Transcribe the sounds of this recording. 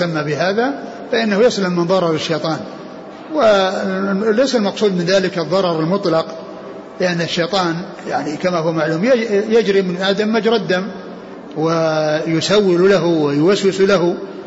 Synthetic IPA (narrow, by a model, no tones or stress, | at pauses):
amːabɪɦaːða | faʔɪnːahʊjaslamːɪnðˤɑɾˤɑɾˤɪʃːejt̪ˤɑːn | wɪ | lajsalmɑqsˤuːd̪mɪnðaːlɪkɨðˤːɑɾˤɑɾˤɪlmʊt̪ˤlɑq | lɪʔanːaʃːejt̪ˤɑːn | jaʕnikamaɦʊwmaʕluːmjajad͡ʒɾimɪnʔad̪amːad͡ʒɾˤɑd̪ːam | wɪjʊsawːɪllaɦʊwɪjʊwaswɪsulaɦu